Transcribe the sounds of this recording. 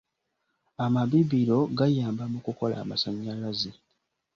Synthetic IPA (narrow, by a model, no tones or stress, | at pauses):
amaβiβiɾo̞ɡajaːmbamukuko̞la̰ːma̰saɲːalaze